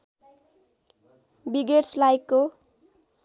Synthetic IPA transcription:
biɡeʈslajkːo

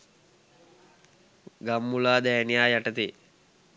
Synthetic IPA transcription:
ɡamːulaːd̪ɛːnijaːjaʈət̪i

